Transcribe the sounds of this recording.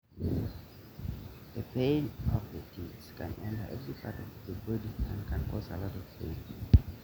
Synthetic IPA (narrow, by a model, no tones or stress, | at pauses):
ðəpẽɪ̃nɔvðətʰiskʰãnɛ̃ntə̰˞ʔɛvɹipʰatɔvðəbɔdiæ̰̃nkʰãnkʰɔzə̰lɔtɔv̥pʰẽɪ̃n